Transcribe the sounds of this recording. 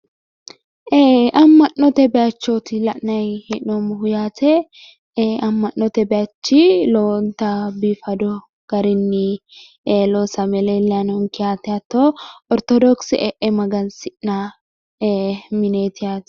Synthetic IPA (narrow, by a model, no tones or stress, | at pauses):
eʔɐmːɐnːɔt̪ɛbɛjat͡ʃːot̪ɪlɐʔnɐjhɪnnɔmʊhʊjaːt̪ʰɛ | ɐmːɐnːɔt̪ɛbɛjat͡ʃːiloːnt̪abifɐd̪ɔ | ɡ̥ɐɾɪnːɪ | eːloːsɐmɛlɛlːanɔŋkɪjaːt̪ːɛjat̪ːoːɔɾt̪ɔd̪ɔksɪʔɛʔɛmɐɡɐnsɪʔnaː | mɪneːt̪ɪjaːt̪